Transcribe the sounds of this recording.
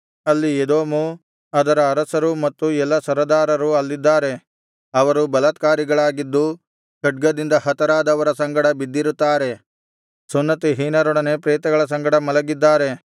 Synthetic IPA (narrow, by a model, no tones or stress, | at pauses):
ɐlːied̪oːmu | ɐd̪ɐɾɐːɾɐsɐɾumɐt̪ːuɛlːɐsɐɾɐd̪aːɾɐɾuɐlːid̪ːaːɾe̞ | ɐʋɐɾubɐlɐt̪kaːɾiɡɐɭaːɡid̪ːu | kɐʈ̚ɡɐd̪ind̪ɐhɐt̪ɐɾaːd̪ɐʋɐɾɐsɐŋɡɐɽɐbid̪ːiɾut̪ːaːɾe̞ | sunːɐt̪iɦiːnɐɾɔɽɐnepɾɛːt̪ɐɡɐɭɐsɐŋɡɐɽɐmɐlɐɡid̪ːaːɾe̞